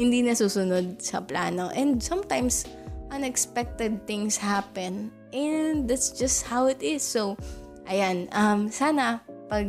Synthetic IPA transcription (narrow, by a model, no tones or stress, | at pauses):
hɪnd̪iːnɐsuːsʊnod̪̚sɐ̰pla̰ːnoʔɛ̃nd̪sɐmt̪ãjmsʔɐ̃nɛkspɛk̚t̪ɛd̪̚θɪ̃ŋshapɛ̃n | ʔɛnnd̪at̪sd͡ʒɐst̪̚hawɪt̪ɪsːow | ʔɐjanʔɐmsaːnɐpɐɡ̚